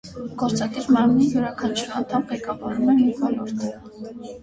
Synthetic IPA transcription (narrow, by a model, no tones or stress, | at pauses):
ɡ̥ɔɾt͡sɑd̪iɾmɑɾmnijuɾɑkʰɑnt͡ʃʰuɾɑ̰nt̪ʰɑmʁɛkɑvɑɾumɛmiɾvɔlɔɾt̪ʰə